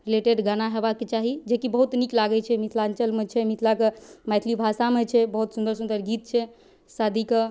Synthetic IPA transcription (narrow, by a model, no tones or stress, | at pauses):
ɾileʈeɖɡanaɦebakːet͡ʃaɦid͡ʒekibəɦut̪niklaɡɛt͡ʃʰɛmit̪ʰlant͡ʃəlmet͡ʃʰɛmit̪ʰlakemajt̪ʰlibʱasamet͡ʃʰɛbəɦut̪sund̪əɾsund̪əɾɡit̪t͡ʃʰɛ | sad̪ʱike